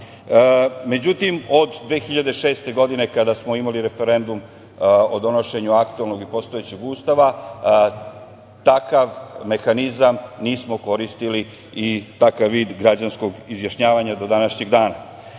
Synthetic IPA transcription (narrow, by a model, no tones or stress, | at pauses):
me̞d͡ʑut̪imo̞d̪d̪ʋe̞ːxiʎad̪eʃe̞ːst̪e̞ɡo̞d̪ine̞kad̪asmo̞imaliɾe̞fe̞ɾe̞nd̪um | od̪o̞no̞ʃe̞ɲuakt̪uelno̞ɡipo̞st̪oet͡ɕeɡust̪aʋa | t̪akaʋmexanizamniːsmo̞ko̞ɾist̪iliː | t̪akaʋːiːd̪ɡɾad͡ʑansko̞ɡizjaʃɲaːʋaɲad̪o̞d̪anaʃɲeɡd̪aːna